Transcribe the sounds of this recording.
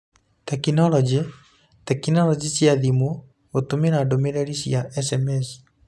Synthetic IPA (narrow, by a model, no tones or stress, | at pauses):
tɛkinɔlɔd͡ʒe | tɛkinɔɾɔd͡ʒisiaðimo | otomeɾadomeɾɛɾisiaʔɛsɛmɛsi̥